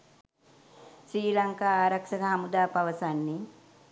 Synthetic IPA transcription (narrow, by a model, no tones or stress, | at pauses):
sɾiːlaŋkaːaːɾaksəkəɦamud̪aːpaʋəsanːi